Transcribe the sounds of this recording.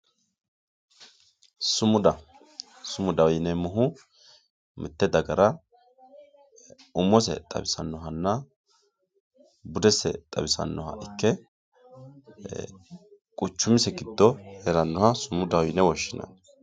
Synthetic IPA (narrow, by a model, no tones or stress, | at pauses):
sʊmʊd̪ɐ | sʊmʊd̪ɐwjnɛmɔɦʊ | mʔɪt̪ːɛd̪ɐɡɐɾɐ | ʊmːɔs̬ɛ̰t̪ʼɐ̰bɪsɐnːɔɦɐnːɐ | bʊd̪ɛsɛ̰t̪ʼɐ̰bɪsɐ̰nːɔɦɐ̰ʔɪkːɛ | kʼʊt͡ʃːʊmɪsɛɡɪd̪ːɔhɛɾɐnːɔhɐsʊmʊd̪ɐwjnɛwɔʃːɪnɐ̰n